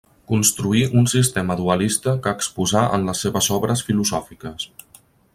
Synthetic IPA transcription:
kunst̪ɾuiʔunsist̪eməðuəlist̪əkəːkspuzaʔə̰nləsːeβəzɔβɾəsfiluzɔfikəs

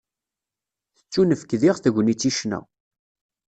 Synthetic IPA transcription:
θə̥t͡sːunəfkðiʁθəʝʷnit͡sːiʃnæ̰

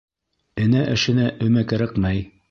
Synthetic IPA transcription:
ɘ̆næʔɘ̆ʃɘ̆næʔɵ̆mækæɾɘqmæj

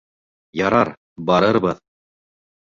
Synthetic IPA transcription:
jɑɾɑɾ | bɑɾɤɾbɤð

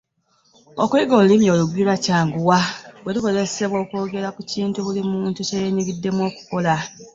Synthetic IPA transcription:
okuiɡo̞ːlulimjo̞ːluɡwilwacaːŋɡuwaβweluko̞ze̞se̞βwo̞ːko̞ːɡe̞ɾakuciːntuβulimuːntucejeɲiɡidːe̞mwo̞ːku̥ko̞la

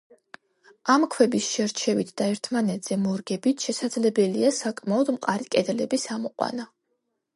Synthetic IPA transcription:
amkʰwɛbisʃɛɾt͡ʃʰɛvit̪ʰd̪̥aɛɾt̪ʰmanɛt̪ʰʼz̥ɛmɔɾɡɛbit̪ʰʃɛsad̪zlɛbɛliasakʼmaɔd̪mqʼaɾikʼɛd̪lɛbisamɔqʼwa̰na

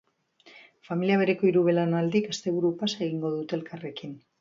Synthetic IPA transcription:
familiaβe̞ɾe̞ko̞iɾuβe̞lanald̪ikest̪e̞βuɾupaseɣiŋɡo̞ð̞ut̪e̞lkʰare̞kin

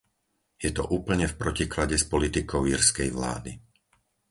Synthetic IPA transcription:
jɛt̪ɔʔuːpl̩ɲɛfpɾɔciklaɟɛspɔlit̪ikɔʊiːɾskɛjʋla̰ːd̪i

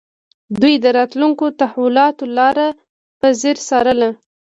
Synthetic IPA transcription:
d̪ujd̪əɾɑt̪luŋkot̪ahwilɑt̪olɑɾa | pəzeɾsɑɾəla

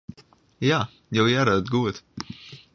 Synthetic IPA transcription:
jaː | jɛwjaɾat̪ɡuɔt̪

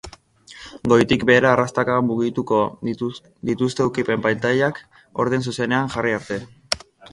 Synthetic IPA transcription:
ɡo̞jt̪ikbe̞ːɾaːrast̪akamuɣit̪uko | d̪it̪ust̪e̞ukipe̞mpajlt̪aʎak | o̞̰ɾðens̬use̞ne̞aŋʝariaɾt̪e̞

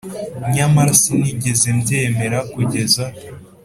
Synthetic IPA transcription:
ɲamaɾasiniɟe̞zembjeme̞ɾakuɟe̞za

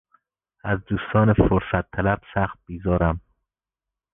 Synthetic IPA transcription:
æzd̪uːst̪ɒːnefoɾsæt̪ʰːælæb̥sæxt̪̚b̥izɒːɾæm

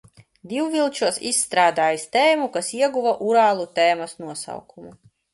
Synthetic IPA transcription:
d̪iwvilˠt͡ʃuɔsisːt̪ɾaːd̪aːjist̪ɛːmukasiɛɡuvaʔuɾaːlˠut̪eːmɐsnuɔsa̰wkʰumu

